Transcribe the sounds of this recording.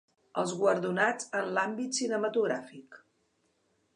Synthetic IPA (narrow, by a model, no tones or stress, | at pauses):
əlˠzɣwəɾðunad͡zənlambit̪sinəmət̪uɣɾafik